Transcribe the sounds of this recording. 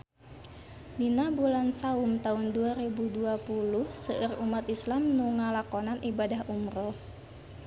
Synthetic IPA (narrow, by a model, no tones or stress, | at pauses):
dinabulansaumt̪aunduaɾɛbuduapuluhsəʔərumat̪islamnuŋalakɔnanʔibadaɦumɾɔ